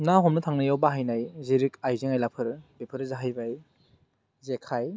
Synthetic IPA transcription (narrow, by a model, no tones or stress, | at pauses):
naɦɔmnɯtʰaŋnɯjawbaɦajnajziɾikajzeŋajlapʰɯɾbepʰɯɾzaɦajbaj | zekʰaj